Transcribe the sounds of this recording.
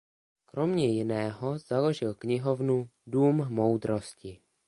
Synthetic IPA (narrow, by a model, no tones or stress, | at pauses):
kɾomɲɛjɪnɛːɦoz̥aloʒɪlkɲɪɦovnuduːmmowd̪ɾo̞scɪ